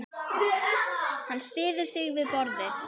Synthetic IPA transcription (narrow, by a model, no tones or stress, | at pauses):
hanːst̪ɪːðʏ̥sɪɣvɪðpɔɾðɪ